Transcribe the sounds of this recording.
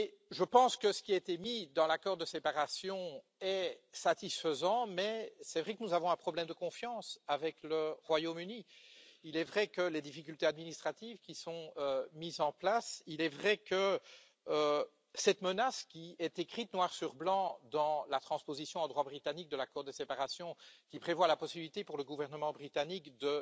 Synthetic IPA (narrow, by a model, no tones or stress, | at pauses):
eʒəpɑ̃skəsə̥kʲiaet̪emid̪ɑ̃lakɔʁd̪əsepaʁasjɔ̃ | ɛsat̪isfəzɑ̃mɛsɛvʁɛkənuzavɔ̃ɛ̃pχɔblɛmd̪əkɔ̃fjɑ̃savɛkləʁwajomyniilɛvʁɛkəled̪ifikʲylt̪ead̪minist̪χat̪ivkʲisɔ̃ømizɑ̃plasilɛvʁɛkə | sɛt̪mənaskʲiɛt̪ekχit̪̚nwaʁsyʁblɑ̃d̪ɑ̃lat̪χɑ̃spozisjɔ̃ɑ̃d̪ʁwabʁit̪anik̚d̪əlakɔːʁd̪əsepaʁasjɔ̃kʲipχevwalapɔsibilit̪epuʁləɡuvɛʁnəmɑ̃bʁit̪anikd̪ə